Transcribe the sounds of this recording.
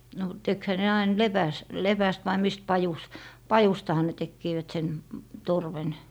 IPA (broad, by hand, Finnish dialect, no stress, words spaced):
no tekhæ ne ɑin lepæs lepæst ʋɑi mist pɑjus pɑjustɑhɑ ne tekːiːʋæt sen torʋen